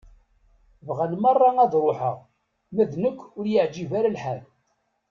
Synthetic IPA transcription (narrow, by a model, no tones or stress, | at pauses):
vʁænmɑrˤːɑæðɾˤoħə̰ʁ | mæðnəkʷːʊɾjəʕd͡ʒivæɾalħæl